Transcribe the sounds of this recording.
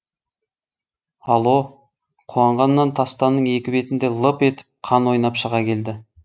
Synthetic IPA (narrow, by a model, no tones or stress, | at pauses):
ɑlˠo̞ | qʰuɑɴʁɑnːɑnt̪ʰɑst̪ɑnːəɴe̞kʲɪbe̞t̪ɪnd̪e̞lˠəpe̞t̪ɪ̥p̚qʰɑnwo̞jnɑpʃəʁɑkʲʰe̞ld̪ɪ